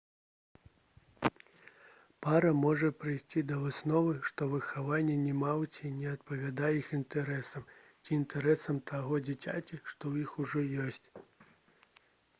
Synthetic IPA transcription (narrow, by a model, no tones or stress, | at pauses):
paɾɐmɔʐɐpɾɨjsʲt͡sʲid̪ɐvɨsnɔvɨʂt̪ɔvɨxːavanʲːɛnʲɛmawt͡sʲinʲɛɐt̪̚pɐvʲad̪ajɛixint̪ɛɾɛsɐm | t͡sʲiːnt̪ɛɾɛsɐmt̪ʰaɣɔd͡zʲit͡sʲa̰t͡sʲiʂt̪ɔwjixuʐɔjɔsʲt͡sʲ